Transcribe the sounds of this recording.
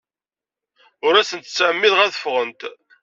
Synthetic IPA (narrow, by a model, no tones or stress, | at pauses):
ʊɾæsənt̪t͡sːʕəmːiðʁæðə̥fʁənt̪